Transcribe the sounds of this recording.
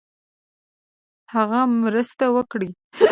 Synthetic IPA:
haɣamɾəst̪awəkɽi

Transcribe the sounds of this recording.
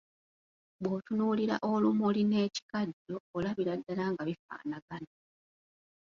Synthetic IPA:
βwo̞tunuːliɾa̰ʔolumuline̞ːci̥kaɟːoːlaβiɾadːalaŋɡaβifa̰ːnaɡana

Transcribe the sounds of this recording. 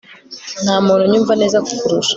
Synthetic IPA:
n̥haːmuːnuɲuːɱvane̞ːzaku̥kuɾuʃḁ

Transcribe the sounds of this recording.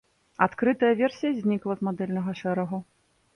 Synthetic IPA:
at̪kɾɨt̪ɐjɐvʲɛrsʲijɐzʲnʲiklˠɐzmad̪ɛlʲnɐɣɐʂɛɾɐɣu

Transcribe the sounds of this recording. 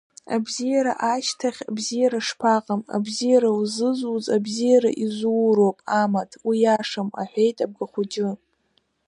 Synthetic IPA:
a̰bzijaɾa̰ʔaʃtʰaχʲabzijaɾaʂpʰaqʼama̰bzijaɾauzɨzuzabzijaɾa̰ʔizuwɾopʼamatʰwijaʂama̰ħʷᶣejtʼab̚ɡaχʷud͡ʒɪ

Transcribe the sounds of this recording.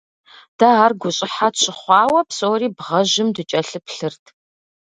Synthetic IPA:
d̥ɐaːrɡʷʊɕʼɪħatɕʼɪχʷɑːwɐpsoːriːbʁɐʑɪmdɨt͡ʃʼɐɬɨpɬɨrtʰ

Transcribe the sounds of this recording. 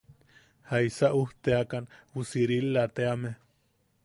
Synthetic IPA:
haisaʔuht̪eakanwusiɾilːat̪eame

